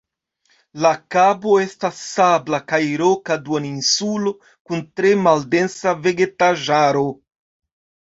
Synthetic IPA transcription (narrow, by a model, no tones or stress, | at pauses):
lakaboe̞stasːablakajɾokaduaninsulo̞ | kuntɾe̞malde̞nsave̞ɡetaʒaɾo